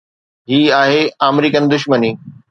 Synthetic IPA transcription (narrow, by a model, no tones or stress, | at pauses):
ɦiːaːɦeaːmɾiːkənd̪ʊʃməniː